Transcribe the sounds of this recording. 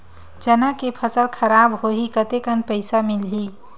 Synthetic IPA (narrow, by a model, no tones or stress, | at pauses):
d͡ʒənakepʰəsəlkʰəɾabɦoɦikət̪ekənpəɪsamilɦi